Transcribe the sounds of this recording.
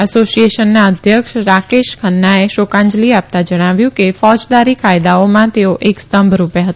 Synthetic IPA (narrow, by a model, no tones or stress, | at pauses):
əsosieʃənːaəd̪ʱjəkʃɾakeʃkʰənːaeʃokãɲd͡ʒliap̚t̪ad͡ʒəɽ̃aʋjũkefɔd͡ʒd̪aɾikajd̪aomãt̪eoʔekst̪əmbʱɾupjaɦət̪